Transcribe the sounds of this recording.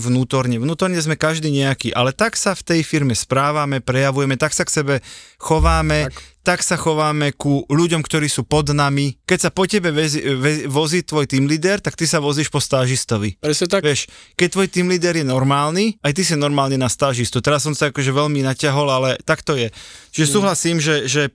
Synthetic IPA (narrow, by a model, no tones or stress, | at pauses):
ʋnuːt̪ɔɾɲɛʋnuːt̪ɔɾɲɛzmɛkaʒd̪iːɲɛakiːʔalɛt̪aksaft̪ɛjfiɾmɛspɾaːʋamɛpɾɛjaʋujɛmɛt̪aksaksɛbɛxɔʋaːmɛt̪aksaxɔʋaːmɛkuʎuɟɔmkt̪ɔɾiːsuːpɔd̪namikɛcsapɔcɛbɛʋɛzʋɛʋɔziːt̪ʋɔjt̪iːmliːd̪ɛɾt̪akt̪isaʋɔziːʃpɔst̪aːʒist̪ɔʋiɾɛsɛt̪aʋɪɛʃkɛc̚t̪ʋɔjt̪iːmliːd̪ɛɾjɛnɔɾmaːlniajt̪is̬inɔɾmaːlninast̪aːʒist̪ut̪ɛɾas̬ːɔmsaakɔʒɛʋɛʎminacaɦɔlalɛt̪akt̪ɔjɛt͡ʃiʒɛsuːɦlasiːmʒɛʒɛ